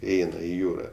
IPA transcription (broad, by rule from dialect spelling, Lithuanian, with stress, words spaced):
ɪˈɛɪnɐ ɪ ˈjuːrɐ